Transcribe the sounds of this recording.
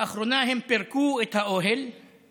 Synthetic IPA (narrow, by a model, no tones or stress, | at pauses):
ɐxɾunaːɦempeɾkuːit̪ʰaoɦel